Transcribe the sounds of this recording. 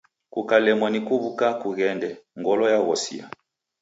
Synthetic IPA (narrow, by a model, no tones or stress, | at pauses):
kukalɛmɔnikuβukakuɣɛndɛŋɡɔlɔjaɣɔsḭa̰